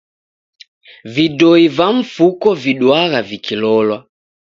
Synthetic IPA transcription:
vidɔivaɱ̩fukɔviɗwaɣavikʰilɔlwa

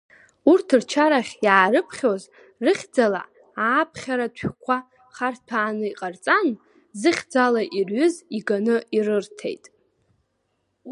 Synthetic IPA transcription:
urtʰrt͡ʃʰaɾaχʲjaːɾɨpʰχʲoz | rɨχʲd͡zala̰ | aːpʰχʲaɾatʷʰkʷʰa | χartʰaːnɨiqʼart͡sʼan | zɨχʲd͡zalaʔirɥʏziɡanɨirɨrtʰe̞̰jtʼ

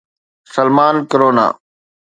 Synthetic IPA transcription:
səlmaːnkəɾoːna̰ː

